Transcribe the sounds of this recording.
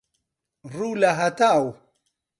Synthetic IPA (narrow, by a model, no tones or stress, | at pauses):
ɾulaɦat̪aw